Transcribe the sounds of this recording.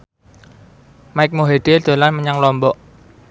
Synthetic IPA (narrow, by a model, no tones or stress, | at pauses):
maɪk̚moɦeɖ̪̥ed̪̥o̤lanməɲaŋlɔmbɔʔ